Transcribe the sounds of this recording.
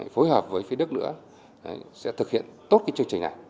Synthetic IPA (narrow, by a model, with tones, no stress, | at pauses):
fo˨˦jɦəː˨˩p̚vəː˨˦jfi˨˦ɗɨ˦˥k̚nɨ̰˧˥ə˨ | sɛ̰˧˥t̪ʰɨ˨˩k̚hḭ˧˨ənt̪o˦˥t̚ka˨˦t͡ɕɨ˧əŋt͡ɕï˨˩ŋna˨˩j